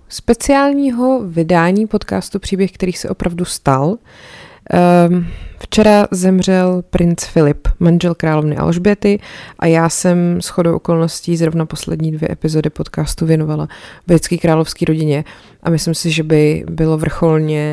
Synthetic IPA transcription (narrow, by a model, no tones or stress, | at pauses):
spɛt͡sɪaːlɲiːɦo̞vɪdaːɲiːpo̞t̪ka̰ːst̪upr̝̥iːbjɛxkt̪ɛɾiːsɛ̰ʔo̞pɾʔavdust̪al | ft͡ʃɛɾazɛmr̝ɛlpɾʔɪnt͡sfɪlɪpmanʒɛlkɾaːlo̞vnɪʔa̰lʒbɪɛt̪ɪʔa̰jaːsɛmsxo̞dowʔoko̞lno̞sciːzɾo̞vnapo̞slɛ̰dɲiːdvjɛ̰ʔɛpɪzo̞dɪpo̞t̪kaːst̪uvjɛnovalavɾɪt͡skiːkɾaːlofskiːɾo̞ɟɪɲɛ | ʔamɪslɪmsɪʒɛbɪbɪlo̞vr̩xo̞lɲɛ